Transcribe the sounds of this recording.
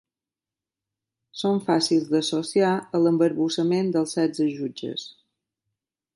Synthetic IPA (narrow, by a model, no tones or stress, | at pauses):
soɱfasilˠzd̪əsosiaələmbəɾβusəmend̪əlˠsɛzəʒud͡ʒə̰s